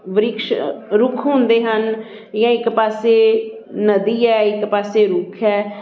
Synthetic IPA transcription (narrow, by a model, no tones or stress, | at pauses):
ʋəɾɪkʃɾʊkʰɦõːnd̪eːɦən | jãːɪkpaːseː | nəd̪iːɛːɪkpaːseːɾʊkʰɛː